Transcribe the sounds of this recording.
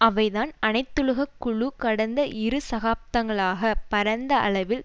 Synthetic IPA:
ɐʋɐɪðaːnɐnɐɪt̪ːɯɻɯɣɐkːʊɭukɐɽɐnd̪ɐʔɪɾɯsɐɣaːp̚t̪ɐŋɡɐɭaːɣɐpɐɾɐnd̪ɐʔɐ̰ɭɐʋɪl

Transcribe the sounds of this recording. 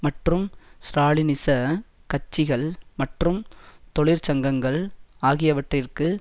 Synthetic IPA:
mɐʈrɯmsɾaːɭɪnɪsɐ | kɐt͡ʃːɪɣɐɭmɐʈrɯmt̪ɔɭɪɾt͡ʃɐŋɡɐŋɡɐɭaːɣɪjɐʋɐʈrɪrkɯ

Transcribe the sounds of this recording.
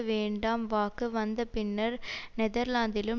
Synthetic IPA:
ʋeːɳɖaːmʋaːkːɯʋɐnd̪ɐpɪnːɐɾnɛðɐɾlaːnd̪ɪlɯm

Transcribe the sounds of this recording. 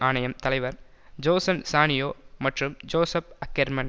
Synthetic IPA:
aːɳɐjɐmt̪ɐlɐɪʋɐɾ | d͡ʒoːsɐnsaːɳɪjoːmɐʈrɯmd͡ʒoːsɐp̚ɐkːeɾmɐn

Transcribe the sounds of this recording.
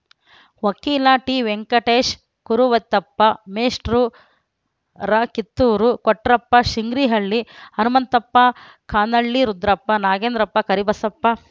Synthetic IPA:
ʋɐkiːlaʈiːʋeŋkɐʈeːʃ | kuɾuʋɐt̪ːɐpːɐmeːʂʈɾu | ɾɐkit̪ːuːɾukɔʈɾɐpːɐʃiŋɡɾiɦɐɭːiɐnumɐnt̪ɐpːɐ | kʰaːnɐɭːiɾud̪ɾɐpːɐnaːɡeːnd̪ɾɐpːɐkɐɾibɐsɐpːɐ

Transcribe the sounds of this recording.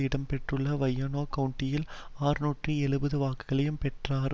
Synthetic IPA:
ɪɽɐmpɛʈrɯɭːɐʋɐjːɐnoːkɐwʊɳʈːɪjɪlaːɾɯnuːʈriɛɭɯbɐðɯʋaːkɯɣɐɭɐjɯmpɛʈraːɾ

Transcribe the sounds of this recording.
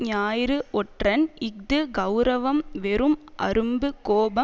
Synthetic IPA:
ɲaːjɾɯʔɔʈrɐnɪk̚d̪ɯɡɐʊɾɐʋɐmʋɛɾɯmʔɐ̰ɾɯmbɯkoːbɐ

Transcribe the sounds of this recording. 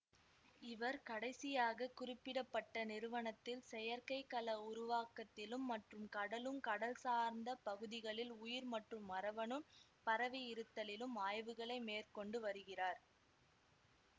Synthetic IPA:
ɪʋɐɾkɐɽɐɪsɪjaːɣɐkʊrɪpːɪɽɐpːɐʈːɐnɪɾɯʋɐɳɐt̪ːɪlsɛjɐɾkɐɪkːɐlɐʊɾʊʋaːkɐt̪ːɪlɯmːɐʈrɯmkɐɽɐlɯmkɐɽɐlsaːɾnd̪ɐpɐɣɯðɪɣɐɭɪlʊjɪɾmɐʈrɯmːɐɾɐʋɐɳɯm | pɐɾɐʋɪjɪɾɯt̪ːɐlɪlɯmaːjʋɯɣɐɭɐɪmeːrkɔɳɖɯʋɐɾɯɣɪraːɾ

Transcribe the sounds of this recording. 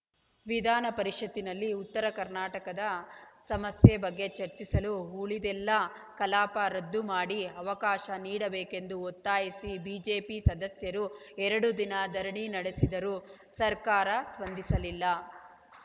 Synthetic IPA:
ʋid̪ʱaːnɐpɐɾiʂɐd̪ːinɐlːiut̪ːɐɾɐkɐɾnaːʈɐkɐd̪ɐsɐmɐsjɐbɐɡːe̞t͡ʃɐɾt͡ʃisɐluɦuːɭid̪ɛlːɐ | kɐlaːpɐɾɐd̪ːumaːɽiɐʋɐkaːʃɐniːɽɐbeːke̞nd̪uot̪ːaːjisibiːd͡ʒeːpisɐd̪ɐsjɐɾu | ɛɾɐɽud̪inɐd̪ʱɐɾɐɳinɐɽesid̪ɐɾu | sɐɾkaːɾɐsʋɐnd̪ʱisɐlilːɐ

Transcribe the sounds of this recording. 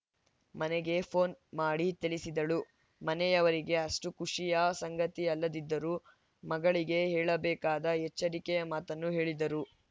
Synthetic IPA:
mɐneɡe̞pʰo̞ːnmaːɽit̪ilisid̪ɐɭu | mɐnɛjɐʋɐɾiɡe̞ɐʂʈukuʂijɐsɐŋɡɐt̪iɐlːɐd̪id̪ːɐɾu | mɐɡɐɭiɡe̞ɦɛːɭɐbɛːkaːd̪ɐɛt͡ʃːɐɾikɛjɐmaːt̪ɐnːuɦeːɭid̪ɐɾu

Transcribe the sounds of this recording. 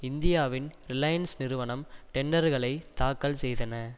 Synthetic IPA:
ɪnd̪ɪjaːʋɪnɾɪlɐjɐnsnɪɾɯʋɐɳɐmʈɛɳɖɐɾɣɐɭɐɪt̪ːaːkːɐlsɛjðɐnɐ

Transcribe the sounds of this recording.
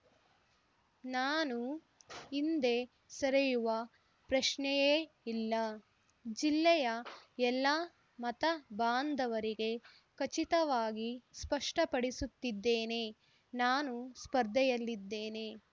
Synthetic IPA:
naːnu | ind̪e̞ | sɐɾejuʋɐ | pɾɐʃɳɛjeː | ilːɐ | d͡ʒilːɛjɐɛlːɐ | mɐt̪ɐbaːnd̪ʱɐʋɐɾiɡe̞ | kɐt͡ʃit̪ɐʋaːɡispɐʂʈɐpɐɽisut̪ːid̪ːeːne̞ | naːnuspɐɾd̪ʱɛjɐlːid̪ːeːne̞

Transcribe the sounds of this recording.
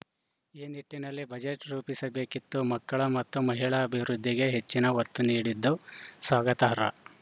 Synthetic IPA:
iːniʈːinɐlːibɐd͡ʒeʈɾuːpisɐbe̞ːkit̪ːumɐkːɐɭɐmɐt̪ːumɐɦiɭɐːbʱiʋɾud̪ʱːiɡe̞ɦet͡ʃːinɐʋɐt̪ːuniːɽid̪ːusʋaːɡɐt̪ɐɦɐɾɐ̰

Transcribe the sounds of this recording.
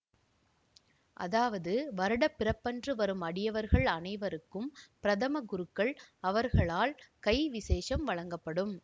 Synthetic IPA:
ʔɐ̰ðaːʋɐðɯʋɐɾɯɽɐpːɪɾɐpːɐndrɯʋɐɾɯmɐɽɪjɐʋɐɾɣɐɭɐnɐɪʋɐɾɯkːɯmpɪɾɐðɐmɐɡʊɾɯkːɐɭɐʋɐɾɣɐɭaːlkɐɪʋɪseːʂɐmʋɐɻɐŋɡɐpːɐɽɯm

